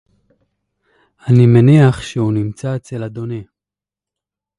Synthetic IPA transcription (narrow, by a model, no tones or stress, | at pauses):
animeniaχʃeunimt͡sat͡selad̪o̞ne